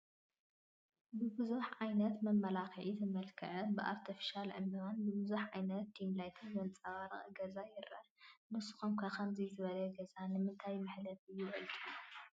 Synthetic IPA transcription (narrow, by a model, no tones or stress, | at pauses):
bɨbɨzuħʕajnɐt̪mɐmːɐlaxʕit̪ʰɨmɐlkʰɐ̰ʔɐbɨʔa̰ɾt̪ʰifi̥ʃalʕɨmiβanbɨbɨzuħʕajnɐt̪ːimlajt̪ʰɨnwont͡sʼɐβaɾɨχʼɡɐzajɪɾɐ̰nɨsu̥xomkʰɐkɐmzizɨβɐlɐɡɐzanɨmɨnt̪ʰajmɨħlɐβɨjːuβɐlt̪ʼu